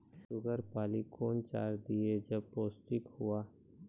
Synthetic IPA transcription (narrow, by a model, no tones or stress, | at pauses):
ʃʊɡəɾpaːlikʰoːnt͡ʃa̰ːɾd̪ied͡ʒɐb̚poːsʈɪkhuaː